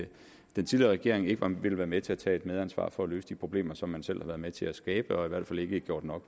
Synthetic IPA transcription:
d̥ent͡sʰiðliɐʁɛɡ̥e̝ɐ̰e̝ŋe̝ɡ̥əʋɑ̈ʋe̝ləʋæːɐmet͡sʰe̝æt͡sʰɛ̰ːe̝d̥með̞ˠænsʋɑ̰̈ːfɒ̽ælø̰ːsəd̥ipʰʁo̝b̥le̝̰ːmɐsɒ̽mːænsel̰hɑ̈ʋæːɐðˠmet͡sʰe̝æsɡ̥ɛːb̥əɒ̽iʋæɐ̰d̥fæle̝ɡ̥əɡ̥jo̝̰ɐd̥nɒ̽ɡ̥

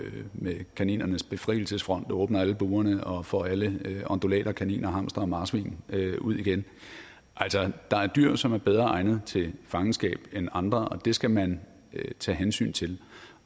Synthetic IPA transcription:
mekʰænḭːnɐnəsb̥e̝fʁḭːl̩səsfʁɒ̽n̰d̥ɔ̽ːb̥nɐæləb̥uːɐnəʔɒ̽fɒ̰æləɒ̽nd̥olɛ̰ːɾɐkʰænḭːnʔɐɦɑ̈m̰sd̥ʁɐːmɑ̈ːsʋḭːnøʔuð̞̰ˠiɡ̥en | ʔæl̰sɒd̥ɑ̈æɐd̥yɐ̰sɒ̽mæɐb̥eð̞ˠʁɐɑ̈ɪnð̞̩ˠt͡sʰe̝lfɑ̈ŋnsɡ̥ɛ̰ːb̥enɑ̈nd̥ʁɐʔɒ̽d̥e̝sɡ̥æmæn | t͡sʰɛ̰ːɦensy̰ːnt͡sʰe̝l

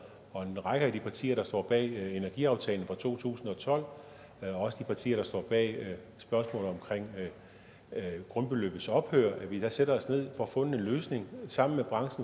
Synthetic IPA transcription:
ɒ̽e̝nʁɑ̈ɡ̥əæd̥ipʰɑ̈t͡sʰḭːɐɾ̥ɑ̈sd̥ɒ̰ːb̥ɛ̰ːe̝næɐɡ̥ḭɑ̈ʊt͡sʰɛ̰ːln̩fʁɑ̈t͡sʰo̝̰ːt͡sʰṵːsn̩ɒ̽t͡sʰɒ̽l̰ | ɒ̽ɒ̽səd̥ipʰɑ̈t͡sʰḭːɐɾ̥ɑ̈sd̥ɒ̰ːb̥ɛ̰ː | sb̥ɶɐsmɔ̰̽ːlð̩ˠɒ̽mkʰʁeŋ̰ | ɡ̥ʁɔ̽nb̥e̝lø̰b̥ð̩sɒ̽b̥høɐ̰ʔæʋid̥æseɾ̥ɐɒ̽sne̝ð̞̰ˠfɒ̽ɒfɔ̽nəe̝nløːsne̝ŋsɑ̈m̰n̩meb̥ʁɑ̈ŋsn̩

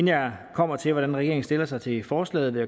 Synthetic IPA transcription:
nækʰɒ̽m̰ɐt͡sʰe̝lʋɒɾ̥ænʁɛɡ̥e̝ɐeŋsd̥e̝lɐsɑ̈ɪt͡sʰe̝fɒːslɛ̰ːð̩ˠʋe

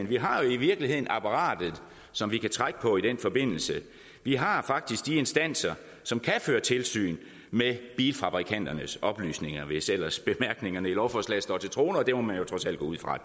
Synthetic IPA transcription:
nʋiɦɑ̈jo̝iʋiɐɡ̥lihe̝ð̞̰ˠn̩ɑ̈pʰɑ̈ʁɑ̰̈ːd̥ð̞̩ˠ | sɒ̽mʋikʰæt͡sʰʁaɡ̥ə̥pʰɒ̽id̥enfɒ̽be̝n̰l̩sə | ʋiɦɑ̈fɑ̈ɡ̥̚d̥isɡ̥̚d̥ie̝nsd̥æn̰sɐ | sɒ̽mkʰæføːɐt͡sʰe̝lsy̰ːn | meb̥iːlfɑ̈b̥ʁikʰæn̰d̥ɐnəsɒ̽b̥ly̰ːsne̝ŋɐʋe̝sel̰ɐsb̥e̝mæɐɡ̥ne̝ŋɐnəilɒʊ̰fɒslæ̰sd̥ɒ̰ːt͡sʰe̝lt͡sʰʁo̝ːnɐɒd̥e̝mɒmænjo̝t͡sʰʁɒ̽sæl̰dɡ̥ɔːuð̰ˠfʁɑ̈

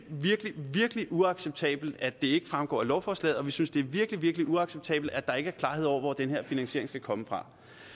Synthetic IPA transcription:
ʋiɐɡ̥liʋiɐɡ̥əliʔuɑ̈ɡ̥seb̥̚t͡sʰɛ̰ːb̥l̩d̥æd̥e̝e̝ɡ̥əfʁamɡ̥ɒ̰ːlɒʊfɒːslɛ̰ːðˠɒ̽ʋisynsd̥e̝æɐʋiɐɡ̥liʋiɐɡ̥əliʔuɑ̈ɡ̥seb̥̚t͡sʰɛ̰ːb̥l̩d̥æd̥ɑ̈e̝ɡ̥əæɐkʰlɑ̈ːheðˠɒ̰ʊɐʋɒ̰d̥enheɐ̰finæŋɕe̝̰ɐe̝ŋsɡ̥ækʰɒ̽məfʁɑ̈

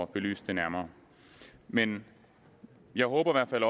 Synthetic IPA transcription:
ɒb̥e̝ly̰ːsd̥d̥enæɐmɐː | men | jɑ̈ɪɦɔːb̥ɐiʋæɐ̥fæl̰ɒ̽

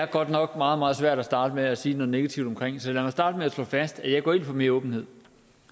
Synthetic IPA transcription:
æɐɡ̥ɒ̽d̥nɒ̽ɡ̥mɑ̈ːð̞̩ˠmɑ̈ːð̩ˠsʋæɐ̰d̥æsd̥ɑ̈ːd̥əmeæsiːnɔ̽ð̩ˠne̝ɡ̥æt͡sʰiʊd̥ɒmkʰʁeŋ̰sɒ̥læmɑsd̥ɑ̈ːd̥əmeæslɔ̰̽ːfæsd̥æjɑ̈ɪ̥ɒ̰ːe̝̰n̰fʰɒme̝ːɐɔ̽ːb̥n̩he̝ð̞̰ˠ

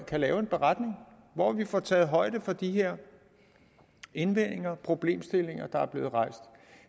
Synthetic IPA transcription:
kʰælɛːʊe̝nb̥e̝ʁɑd̥ne̝ŋ | ʋɒʋifɒt͡sʰɛːð̩ˠɦɒ̽ɪ̰d̥əfɒ̽d̥iɦeɐ̰ | e̝nʋen̰e̝ŋɐpʰʁo̝b̥le̝̰ːmsd̥e̝le̝ŋɐd̥ɑ̈æɐb̥le̝ːð̞̩ˠʁɑ̈ɪ̰sd̥

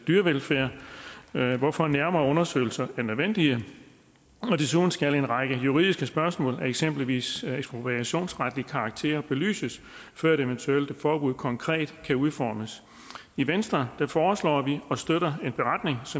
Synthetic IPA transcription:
d̥yɐʋelfæɐ̰ | ʋɒfɒ̽næɐmɐːɔ̽nɐsø̰ɪl̩sɐæɐnøðˠʋen̰d̥iə | ɒ̽d̥esuðˠn̩sɡ̥æle̝nʁɑ̈ɡ̥əjuʁḭðˠisɡ̥əsb̥ɶɐsmɔ̰̽ːlæɐeɡ̥sem̰b̥liʋḭːseɡsb̥ʁopʰi̥æɕo̝̰ːnsʁad̥liəkʰɑ̈ɑ̈ɡ̥̚t͡sʰe̝̰ːɐb̥e̝ly̰ːsəs | fɶɐ̰eɾe̝ʋent͡sʰuel̰d̥əfɒːb̥uð̰ˠkʰɒ̽ŋkʰʁɛ̰ːd̥kʰæuðˠfɒ̰ːməs | iʋensd̥ʁɐd̥æfɒːslɒ̰ːʋiɒ̽sd̥øɾ̥ɐe̝nb̥e̝ʁɑ̈d̥ne̝ŋsɒ̽

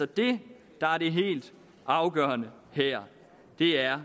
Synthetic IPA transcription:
ɒd̥e̝ | d̥ɑ̈æɐɾe̝ɦe̝̰ːld̥ | ʔɑ̈ʊɡ̥œ̰ːɐnə | heɐ̰ | d̥e̝æɐ

